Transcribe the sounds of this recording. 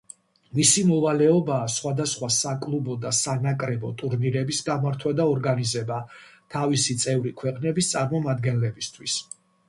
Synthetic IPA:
misimɔvalɛɔbaːsχwad̪asχwasakʼlˠubɔd̪asanakʼɾɛbɔt̪ʼuɾniɾɛbisɡamaɾt̪ʰwad̪aɔɾɡanizɛbat̪ʰavisit̪sʼɛvɾikʰwɛqʼnɛbist̪sʼaɾmɔmad̪ɡɛnlɛbist̪ʰwis

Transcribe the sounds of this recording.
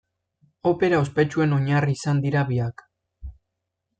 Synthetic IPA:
o̞pe̞ɾaospe̞t͡ʃue̞no̞ɲariːsand̪iɾaβiak

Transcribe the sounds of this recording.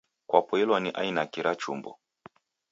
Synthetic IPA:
kwapɔɛlwaniʔa̰inakiɾat͡ʃṵmbɔ̰

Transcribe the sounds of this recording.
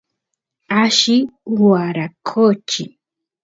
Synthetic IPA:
aʃɪwaɾakʰot͡ʃɪ

